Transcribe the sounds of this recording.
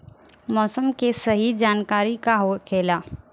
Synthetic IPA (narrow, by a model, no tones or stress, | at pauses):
mɔːsəmkesɐɦid͡ʒaːnkaːɾikaɦokʰeːlaː